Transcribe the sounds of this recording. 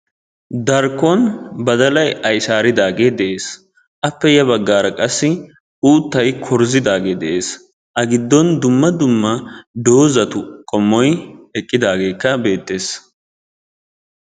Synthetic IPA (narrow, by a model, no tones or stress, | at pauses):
d̪ɐɾkːɔnbɐd̪ɐlɐjɐjsaːɾɪd̪aːɡe̞ːd̪ɛʔe̞ːs | ʔɐpːɛjɛbɐɡːaːɾɐkʼɐsːɪ | uːt̪ːɐjkʰɔɾzɪd̪aːɡe̞ːd̪ɛʔe̞ːs | ʔɐɡɪd̪ːɔnd̪ʊmːɐd̪ʊmːɐd̪o̞ːzɐt̪ʊkʼɔmːɔjɛkʼːɪd̪aːɡe̞ːkːɐbe̞ːt̪ːe̞ːs